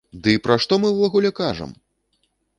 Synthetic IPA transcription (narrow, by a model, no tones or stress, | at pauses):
d̪ɨpɾaʂt̪ɔmɨwlˠɔɣulʲɛkaʐɐ̰m